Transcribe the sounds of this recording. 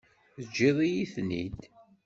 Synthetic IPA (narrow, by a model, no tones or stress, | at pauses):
ðəd͡ʒːiðˤijiθnḭd̪